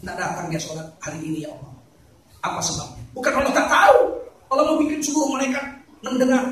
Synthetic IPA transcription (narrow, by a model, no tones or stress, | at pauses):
ndaʔdat̪aŋdiasolahaɾiʔːnijaŋolam | apasəbap̚ɲabukanalɔdaʔt̪aukaloməbikɪnsuɡuʊməɾeka | nəndəŋar